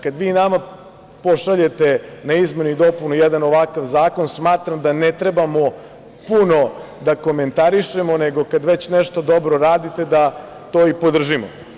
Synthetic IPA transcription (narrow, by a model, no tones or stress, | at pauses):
kad̪ʋiːnama | po̞ʃaʎe̞t̪enaizmenuid̪o̞punujed̪anoʋakaʋzaːko̞nsmaːt̪ɾamd̪anet̪ɾe̞bamo | puno̞ | d̪ako̞me̞nt̪aɾiʃemo̞neɡo̞kad̪ʋet͡ɕneʃt̪o̞d̪o̞bɾo̞ɾaːd̪it̪e̞d̪a | t̪oːipo̞d̪r̩ʒimo̰